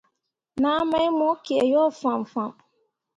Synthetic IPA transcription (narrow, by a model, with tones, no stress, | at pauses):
nã˨˦mã˦mʊ̃˨˦kɪ˨ɛ˨jɔ˦˨fã˨m˨fã˨m